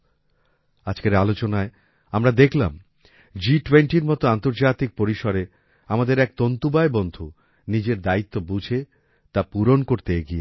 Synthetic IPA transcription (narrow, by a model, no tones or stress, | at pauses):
ad͡ʑkeɾalot͡ɕonae | amɾad̪ekʰla̰m | d͡ʑiʈweɳʈiɾmɔt̪oant̪oɾd͡ʑat̪ik̚poɾiʃoɾe | amad̪eɾɛk̚t̪ont̪ubaebond̪ʱu | nid͡ʑeɾd̪ait̪ːobud͡ʑʱe | t̪apuɾonkoɾt̪eeɡie